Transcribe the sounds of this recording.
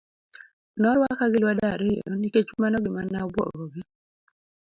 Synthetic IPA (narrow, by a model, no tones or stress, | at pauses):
nɔɾwakaɡɪlwadaɾejɔ̰niket͡ʃmanɔɡɪmanaɔbwɔ̰ɡɡɔɡɪ